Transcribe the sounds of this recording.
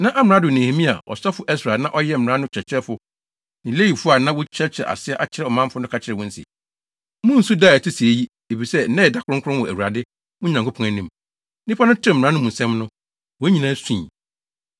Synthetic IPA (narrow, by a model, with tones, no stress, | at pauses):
nã˦ʔa˦m˨ɾã˦dʊ˨nĩ˨he˨mĩ˦a̰˨ɔ̰˨sa˦fʊ˦ʔɛ˦sɾa˨nã˦ʔɔ˦jɛ˦m̩˨m̩˨ɾã˦nʊ̃˦t͡ɕʰɾɛ˨t͡ɕʰɛ˦fʊ˦ | nɪ̃˨le˦ji˨fʊ˦a˨nã˦wɔ˦t͡ɕʰɛ˦t͡ɕʰɪ˨ɛ̰˨ʔa̰˨sɪ˦ɛ˦ʔa˨t͡ɕʰɪ˦ɾɛ˦ɔ˨mã˦fʊ˦nʊ̃˦kʰa˨t͡ɕʰɪ˨ɾɛ˨wɔ̃˦n̩˦sɪ̰˨ | mʊ̃˦n̩˦su˦daː˦˨tʰɪ˦si˨e˦ji˦ | e˨fi˨sɛ˦n̩˦nɛ̃˦ɛ˨da˨˦kʰʊ˨ɾʊ̃˦ŋ˦kʰʊ˦ʊ̃˦wɔ˨ʔæ̰˨wu˨ɾa˨dɪ˦ | mʊ̃˦ɲ˨ã˨ŋkʰo˦pʰɔ̃˦ŋæ˨nĩ˦m | nɪ̃˦pʰa˦nʊ̃˦tɪ˦ɛ˦m˨ã˦nʊ̃˦mũ˨sɛ̃˦mnʊ̃˦ | wɔ˨˦ɲĩ˨nãː˦sĩː˦˨